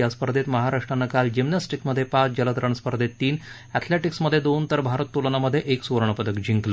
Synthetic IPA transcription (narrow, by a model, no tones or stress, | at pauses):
aspəɾd̪ʱet̪məɦaɾaʂʈɾanːakald͡ʑimnasʈikməd̪ʱːjepat͡sd͡ʑələd̪əɾəɳspəɾd̪ʱet̪ːiːn | ɛt̪ʰleʈiksməd̪ʱːjed̪ont̪əɾbʱaɾət̪ːulnaməd̪ʱːjeʔeksuʋɾɳəpəd̪əkd͡ʑiŋkl